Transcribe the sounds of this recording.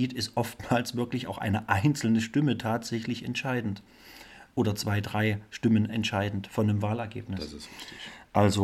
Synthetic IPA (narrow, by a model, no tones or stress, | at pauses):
iːtɪstʔɔftmaːlsv̥ɪɐklɪçaʊxʔa̰ɪnəʔaɪnt͡sl̩nəʃtɪmətʰaːtz̥ɛçlɪçɛ̰ntʃaɪdn̩t | ʔʔoːɾɐt͡sv̥aɪdʁaɪʃtɪmənɛ̰ntʃaɪdn̩tfɔndəmvaːlɛɐɡḛːpnɪsssɪstɪʔalzo